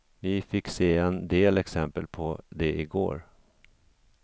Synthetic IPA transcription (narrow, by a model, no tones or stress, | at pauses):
vɪfɪkːseːɛnd̪eːlɛksɛmpəlpʰɔd̪ɛʔɪɡo̰ːɾ